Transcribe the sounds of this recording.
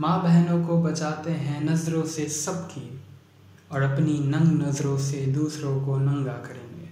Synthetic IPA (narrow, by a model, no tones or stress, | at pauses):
mãːbɛɦnõkobɐt͡ʃaːt̪eɦɛ̃nɐzɾõsesɐbkʰi | ɔːɾɐpninɐ̃ŋɡnɐzɾõsed̪uːsɾõkonɐ̃ŋɡakɐɾẽːɡeː